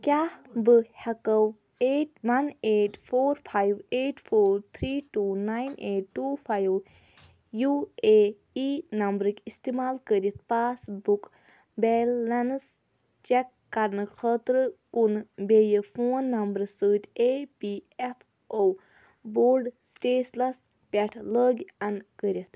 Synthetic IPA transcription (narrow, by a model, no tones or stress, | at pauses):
kʲaːhbɨhɐkəw | eːʈʋɐneːʈpʰoːɾpʰajweːʈpʰoːɾt̪ʰɾiːʈuːnajneːʈːuːpʰajw | jue | iːnɐmbɾɨkʲist̪emaːlkəɾit̪̚ʰpaːsbuk | beːlːɐns | t͡ʃɛkːɐɾnɨkʰəːt̪ɾɨkunbejəpʰoːnːɐmbɾɨsəːt̪ʰʲepiefʰ | o | boːɾɖsʈeːslɐs | pʲɐʈʰləːɡʲɐnkəɾʲjɐt̪ʰ